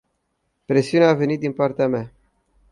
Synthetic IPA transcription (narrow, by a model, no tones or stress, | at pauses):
pɾe̞siuneave̞nit̪̚d̪inpart̪eamea